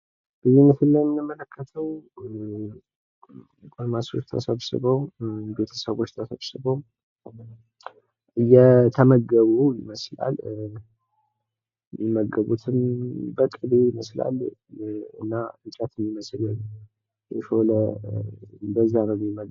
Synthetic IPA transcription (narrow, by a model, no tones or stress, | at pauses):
b̥ɨzinət̪ɨnːəjmɨnəmələkʰːət̪ʰəw | kʼomaso̰t͡ʃt̪ʰə̰səβsɨ̰βəwbe̞t̪ʰəsəβo̞t͡ʃːt̪ʰəsəβsɨβow | ɨjːɛt̪ʰəməɡəβujɪməsla̰l | ɪməɡəβut̪ʰɨnbəkʼɨdejɪməsla̰l | ɨ̰nːaɨt͡ʃʼat̪ʰɨmːiməslɨl | jɛʃolə | bəzːanəwjmimə